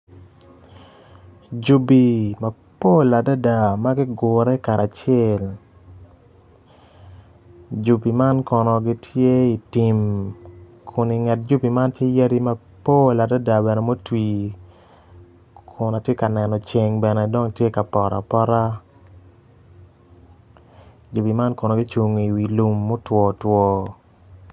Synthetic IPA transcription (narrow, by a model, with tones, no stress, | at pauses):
d͡ʒu˨bi˨ma˨ | po˦la˨da˦da˨ma˦ɡi˦ɡʊ˨ɾɛ˦ka˨ɾa˨t͡ʃjɛ˦˨l | d͡ʒu˨bi˨ma˦nkɔ˨nɔ˨ɡi˦tʰje˦i˨ti˨m | kʰʊ˨ni˨ŋa˨t̚d͡ʒu˦bi˨ma˦ntje˦ja˦ɾi˦ma˦ | po˦la˨da˦da˨bɛ˨nɛ˨mo˦twi˨ | kʰʊ˨na˨tje˦ka˨nɛ˨nɔ˨t͡ʃe˨ŋbɛ˨nɛ˨dɔ˦ŋtje˦ka˨pɔ˨ɾa̰˨pɔ˦ɾa˦ | d͡ʒu˨pi˨ma˦nkɔ˨nɔ˨ɡi˦t͡ʃu˨ŋ˨i˨wi˨lu˨mːo˦twɔ˨twɔ˨